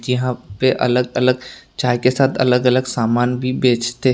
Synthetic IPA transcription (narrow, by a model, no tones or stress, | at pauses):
jɐɦãpeʔɐ̰ləɡɐləɡt͡ʃaːekesaːt̪ʰɐ̰ləɡɐləɡsaːmaːnbʱibeːt͡ʃt̪e